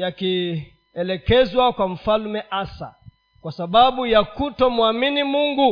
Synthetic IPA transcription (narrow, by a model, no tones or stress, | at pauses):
jaki | ɛlɛkɛzwakwam̩falmɛʔasa̰ | kwasaɓaɓujakutɔmuaminimuŋɡu